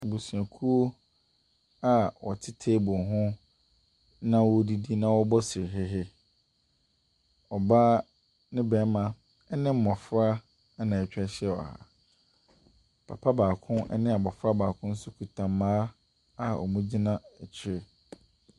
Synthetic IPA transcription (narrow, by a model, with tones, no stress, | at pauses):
bu˨su˨a˨kʰu˦o˦ | a˨wɔ̰˨tʰɪ˦tʰeː˦bʊ˨ɦʊ̃˦ | nã˦wɔ˦di˦di˦nã˦wɔ˦bɔ˦sɪ˨ɦɪ˦ɦɪ˦ | ɔ˨baː˦ | nɪ̃˦bɛ˨˦mã˨ | ɛ˦nɪ̃˦m̩˦mɔ̃˨fɾa˦ | nã˨ɛ˨t͡ɕᶣɛ˦ɕɛ˦˨ɔ̰˨ha̰˨ | pʰa̰˨pʰa˦baː˨kʰʊ̃˦nɛ̰˦nɪ̃˦a˨bɔ˨fɾa˦baː˨kʰʊ̃˦n̩˦sʊ˦kʰu˨tʰã˨mː˦ãː˦ | a˦ɔ̰˨mũ˦d͡ʑi˦nã˦ɛ˨t͡ɕʰɪ˦ɾɪ˨